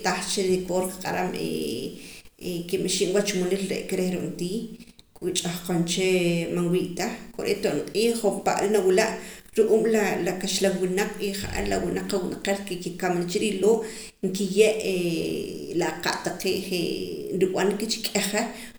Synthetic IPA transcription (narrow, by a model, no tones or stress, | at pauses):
t̪aχt͡ʃeɾikoɾqḁqʼa̰ɾamḛ | ekimeʃiʔmwat͡ʃmolilɾḛʔkeɾehɾoʔnt̪iː | kʼwit͡ʃʼaχqont͡ʃemanwiːʔt̪aχko̰ɾḛt̪oʔnqʼiːompa̰ʔɾinawilaʔ | ɾuʔuːmlalakaʃlawwinaq͡χiχa̰ʔa̰ɾlawinaq͡χːawinaqelkekikamnat͡ʃeɾiloːʔ | ŋkijeʔe | laqa̰ʔt̪aqeːʔχḛnɾiw̰ankit͡ʃi̥kʼeχe